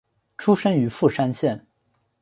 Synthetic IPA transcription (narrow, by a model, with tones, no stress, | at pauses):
ʈ͡ʂʰu˥ʂə˥ŋy˧˥fu˥˩ʂa˥nɕjɛ˥˩n